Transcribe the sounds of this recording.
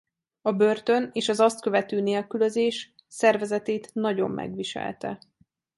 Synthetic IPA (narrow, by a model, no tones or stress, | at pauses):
ɒbø̞rt̪ø̞neːʃɒzɒst̪̚kø̞vɛt̪øːneːlkylø̞zeːʃ | sɛrvɛzɛt̪eːt̪nɒɟo̞̰mːʔɛ̰ɡʋiʃɛ̰lt̪ɛ̰